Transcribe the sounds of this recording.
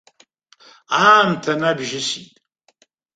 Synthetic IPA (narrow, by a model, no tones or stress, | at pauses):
aːmtʰanabʒɪsitʼ